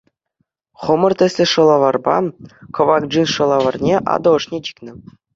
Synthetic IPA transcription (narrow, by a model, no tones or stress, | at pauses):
χŏmɤ̆rt̪ʲɘ̆sʲlʲɘ̆ʂɤ̆lˠɑʋɑrbɑ̰kŏʋɑk̚ʐinʂɤ̆lˠɑʋɑrnʲeʔɑ̰d̪ɤ̆ɤ̆ʂnʲet̪ʲi̥kʲnʲɘ̆